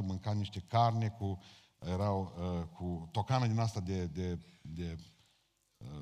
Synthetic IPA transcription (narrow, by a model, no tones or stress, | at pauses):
mɨŋkat̪niʃt̪e̞karnʲeku | jeɾawəkʰut̪o̞kanad̪inast̪ad̪ed̪ed̪e